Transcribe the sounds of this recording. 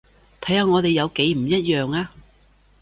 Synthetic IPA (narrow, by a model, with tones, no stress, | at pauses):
t̪ʰɐ˨˥jhaː˧ŋɔː˨˧t̪e˨jɐ˨˧wke˨˧˥jm̩˨˩jɐ˥t̚jœː˨ŋaː˧